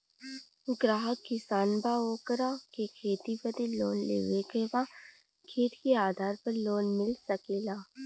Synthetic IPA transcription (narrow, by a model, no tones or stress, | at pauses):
ɡɾaːɦəkkɪsaːnbaːoːkɾakekʰeːt̪ibəd̪eloːnlḛːʋekeba | kʰeːt̪keaːd̪ʱaːɾpəɾloːnmɪlsəkeːlaː